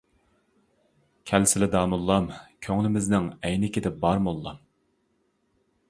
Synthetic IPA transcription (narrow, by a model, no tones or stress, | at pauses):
kʲʰɛlsɪlɪd̪ɑːmulˠːɑmkʲʰøŋlɪmɪznɪŋɛjnɪkʲid̪ɛbɑɾmolˠːɑ̰m